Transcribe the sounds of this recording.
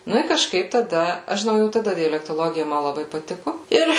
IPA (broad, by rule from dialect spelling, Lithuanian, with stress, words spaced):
ˈnʊ ɪ kɐʃˈkɐɪp tɐˈdɐ ˈɐʃ ʒʲɪˈnɐʊ jɛʊ tɐˈdɐ dʲɛlʲɛktoːˈlˠoːɡʲɪjɛ ˈmɐ lˠɐˈbɐɪ pɐˈtʲɪkʊ ˈɪr